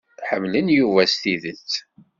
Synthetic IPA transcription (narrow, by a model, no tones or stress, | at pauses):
ħəmːlənjuvæst̪iðət͡sː